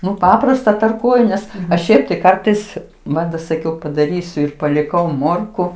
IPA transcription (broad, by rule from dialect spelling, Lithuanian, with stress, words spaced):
ˈnʊ ˈpɑːprɐstɐ tɐrˈkuɔjʊ ˈnʲɛs ɐʃ ˈʃʲɛɪp tɐɪ ˈkɐrtɐɪs ˈmɐt dɐ sɐˈkʲɛʊ pɐdɐˈrʲiːsʲʊ ɪr pɐlʲɪˈkɐʊ ˈmoːrkʊ